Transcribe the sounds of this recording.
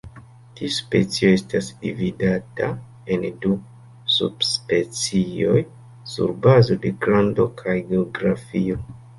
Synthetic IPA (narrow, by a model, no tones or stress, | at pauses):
tispe̞̰t͡sio̞e̞stasdḭvidata | endu | sṵb̥spe̞t͡sio̞̰j | sṵɾbazo̞de̞kɾando̞kʰajɡeoɡɾafio̞